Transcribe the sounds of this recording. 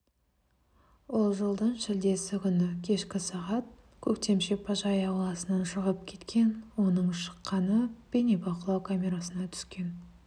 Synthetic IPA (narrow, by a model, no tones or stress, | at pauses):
wolˠʒəlˠd̪əɴʃɪld̪e̞sɪkʲʰʏnɪkʲʰe̞ʃkʲɪsɑʁɑt̪̚ | kʲʰɵkt̪e̞mʃepʰɑʒɑjɑwlˠɑsənɑnʃəʁəp̚kʲʰe̞t̪kʲe̞nwo̞nəɴʃə̥qːɑnəb̥enebɑqəlˠɑwkʰamʲe̞ɾasənɑt̪ʰʏ̥skʲe̞n